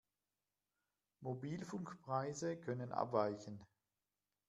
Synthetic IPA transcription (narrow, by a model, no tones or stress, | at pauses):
mobiːlfʊŋkpʁ̥aɪzəkʰœnənʔa̰pv̥aɪçən̩